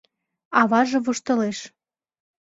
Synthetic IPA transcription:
ɑβɑʒɤ̆βuʃt̪ɤ̆leʃ

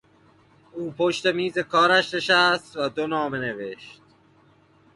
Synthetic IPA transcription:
uːpʰo̞ʃt̪e̞miːze̞kʰɒːɾæʃne̞ʃæst̪væd̪onɒːme̞ne̞ve̞ʃt̪̚

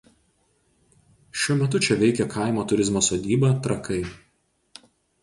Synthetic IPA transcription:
ʃʲuɔmʲɛt̪̬ʊt͡ʃʲɛʋʲɛɪkʲɛkʰɐˑɪmoːt̪ʊɾʲɪzmoːsoːd̪ʲiːbɐˑt̪ɾɐkɐɪ

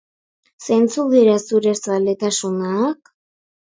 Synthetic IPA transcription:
se̞nt͡suðiɾasuɾesalet̪asunaːk

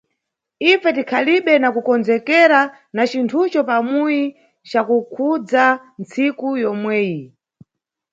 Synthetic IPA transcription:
ifɛtikʰaliɓɛnakukɔnd͡zɛkɛɾa | nat͡ʃintʰut͡ʃɔpamuji | t͡ʃakukʰud͡za | nt͡sikujɔmwɛːji

